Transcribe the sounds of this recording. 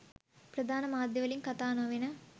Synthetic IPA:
pɾɐd̪ʱaːnɐmaːd̪ʱjɐʋɐlinkɐt̪aːnoːʋinɐ

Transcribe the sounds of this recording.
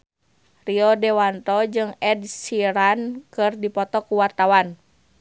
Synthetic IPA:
riɔdɛwant̪ɔd͡ʒɨŋɛdsiɾankɨrdipɔt̪ɔkuwart̪awan

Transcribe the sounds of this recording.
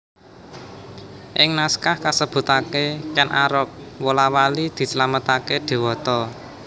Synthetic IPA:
ʔɪŋnaskahkasəb̥ṳt̪akekɛnʔaɾɔk̚wolawalid̪̥i̤səlamət̪akeɖ̪̥e̤wɔt̪ɔ

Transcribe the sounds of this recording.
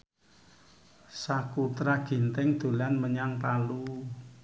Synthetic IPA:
sakut̪ɾaɡ̥i̤nt̪ɛŋd̪̥o̤lanməɲaŋpalu

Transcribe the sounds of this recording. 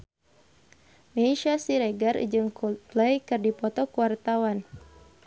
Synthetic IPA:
meiʃasiɾɛɡarḭd͡ʒɨŋkuplɛjkɨrdipɔt̪ɔkuwart̪awan

